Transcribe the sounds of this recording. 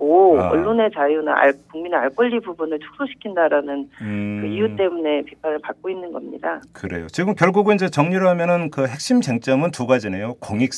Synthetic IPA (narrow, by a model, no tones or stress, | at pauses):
oʌ̰ɭːone̞t͡ɕajuna̰a̰ɭkuŋmineaɭk͈ʌʎːibubunɯɭt͡ɕʰu̥k̚s͈ʰoɕʰi̥kʰindaɾanɯnkɯijut͈e̞mune̞pipʰanɯɭpak̚k͈oinːɯnɡʌmɲḭdakɯɾe̞̰jot͡ɕiɡɯmkjʌɭɡuɡɯind͡ʑe̞t͡ɕʌŋɲiɾɯɦamjʌnɯnkɯhe̞k̚ɕ͈imd͡ʑeŋt͡ɕ͈ʌmɯntuɡad͡ʑine̞jokoŋik̚s͈